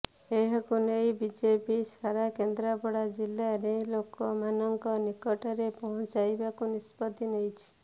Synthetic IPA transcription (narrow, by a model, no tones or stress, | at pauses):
eɦɔkunejbid͡ʒepisaɾakend̪ɾabɔɽad͡ʒilːaɾelokɔmanɔŋkɔnikɔʈɔɾepɔɦɔ̃t͡ʃajbakunispɔd̪inejt͡ʃʰi̥